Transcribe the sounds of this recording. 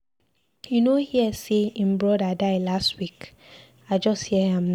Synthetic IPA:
junohiɛseĩm̩bɾɔdadaɪlastwik | ad͡ʒɔsthiɛhɛ̃mn

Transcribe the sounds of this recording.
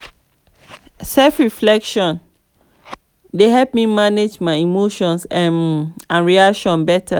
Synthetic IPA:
sɛlfɹiflɛkʃɔ̃n | deɦɛlp̚mimaned͡ʒmaɪimoʃɔ̃nsãnãnɹiakʃɔ̃nbɛtʰa

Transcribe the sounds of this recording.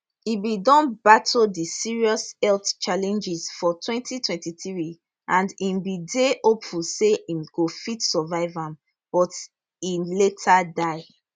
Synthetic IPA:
ibidɔ̃nbatʰodisiɹiɔsɛltt͡ʃalɛ̃nd͡ʒiz̥fɔtʰwɛ̃ntʰitʰwɛ̃ntiθɹi | ʔãndĩmbidehopfulseĩmɡ̥ofitsɔvaɪvãm | b̥ɔt | iletʰadaɪ

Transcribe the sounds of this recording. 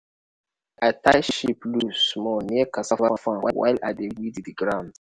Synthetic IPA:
atajʃiplusmɔniakasafafãwa̰wa̰ɪlʔadewiddiɡɹãʊ̃nd

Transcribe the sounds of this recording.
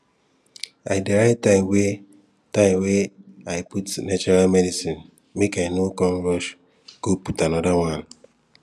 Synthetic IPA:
aɪdeɾaɪtaɪwe | taɪmweaɪputnat͡ʃɔɾalmedisin | mekaɪnokɔnɾɔʃ | ɡ̥oputanɔdawãn

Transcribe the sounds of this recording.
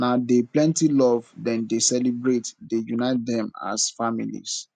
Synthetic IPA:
nadeplɛ̃ntilɔvdɛ̃ndesɛlibɹetdejunaɪt̚dɛ̃ma̰sfamḭlḭs

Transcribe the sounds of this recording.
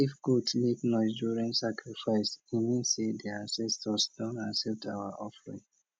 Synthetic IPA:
ifɡudleknɔɪsduɹĩnsakɹifaɪsimĩsedɛasɛstɔsdɔ̃nãnsɛltawaʔɔfɹḭ̃ŋ

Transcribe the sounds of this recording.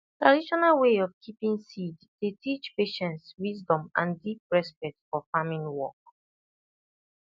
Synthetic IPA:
tɹadiʃɔnalweɔvkʰipĩŋsidtetʰit͡ʃpeʃɛ̃ntswisdɔ̃mã̰ndip̚ɹɛspɛk̚tfɔfamĩnwɔk

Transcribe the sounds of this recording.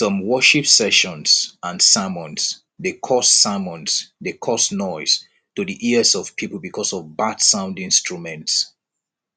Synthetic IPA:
sɔ̃mwɜʃipsɛʃɔ̃nsãnsamɔ̃ns | dekʰɔsːamɔ̃nsdekʰɔsnɔɪs | tudiʔiəzɔv̥pʰipl̩ˠbikʰɔsɔvbadsãʊ̃ndĩnstɹumɛ̃nts

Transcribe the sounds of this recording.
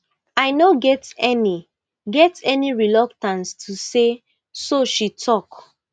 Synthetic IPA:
aɪnoɡɛtɛni | ɡɛtɛniɹilɔk̚tãnstʰuse | soʃitʰɔk

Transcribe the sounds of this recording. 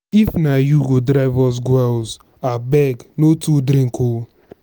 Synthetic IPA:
ifnajuɡodɾaɪvɔs̬ɡwɛlz | abɛɡnotʰudɾĩŋko

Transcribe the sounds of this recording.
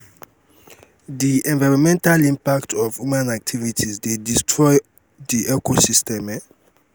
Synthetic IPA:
diʔɛ̃nvaɹɔmɛ̃ntalĩmpak̚tʰɔvjumãnak̚tʰivitʰisdedistʰɹɔj | diʔɛkosistɛmɛ

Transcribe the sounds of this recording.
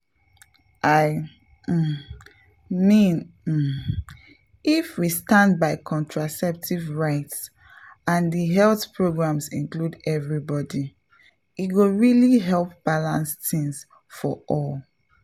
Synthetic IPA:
ʔaɪ | mĩn̩ | ifwistãndbaɪkʰɔ̃ntʰɹasɛp̚tʰivɹaɪts | ãndəɦɛlθpʰɹoɡɹãmsĩnkludɛvɹibɔdi | itɡoɹiliɦɛlˠp̚b̥alãnstĩŋs | fɔʔɔl

